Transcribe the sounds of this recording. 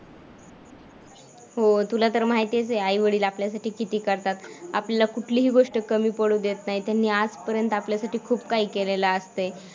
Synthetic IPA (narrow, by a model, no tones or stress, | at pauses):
ɦot̪ulat̪əɾmaɦjt̪it͡seajʋəɽiːlapljasaʈiːkit̪iːkəɾt̪at̪a̰pljalakuʈʰliːɦiːɡoʂʈəkəmiːpəɽuːd̪et̪naɦit̪janːiːad͡zpəɾjənt̪apljasaʈiːkʰuːbkaɦiːkelelaəst̪e